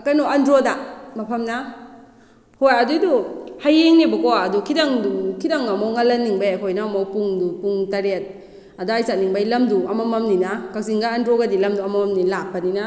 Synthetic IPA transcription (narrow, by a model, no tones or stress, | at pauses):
ɐkanoandɾodamɐpʰɐmna | hojaduduhajeŋnebɐkoaːdukʰidaŋkʰidaŋamawŋalanːiŋbajajkʰojnamawpuŋdupuŋtaɾet̚ | adaajsaniŋbajlɐmduɐmamamninakak̚sziŋɡaːndɾoɡadilɐmduɐmamamnilak̚panina